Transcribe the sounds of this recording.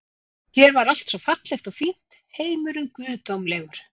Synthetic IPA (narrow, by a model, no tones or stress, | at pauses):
çɛɾvaɾal̥t̪sɔfat̪lɛxt̪ɔfin̥t̪ | heːjmʏɾʏmkvʏːðt̪owmlɛɣʏɾ̥